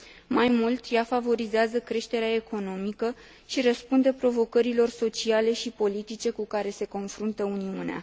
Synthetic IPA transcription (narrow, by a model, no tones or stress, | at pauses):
majmult̪jafavo̞ɾizeazəkɾe̞ʃt̪e̞ɾeae̞ko̞no̞mikə | ʃirəspund̪e̞pɾo̞vo̞kəɾilo̞rso̞t͡ʃiale̞ʃipo̞lit̪it͡ʃe̞kukaɾe̞se̞ko̞nfɾunt̪əuniunea̰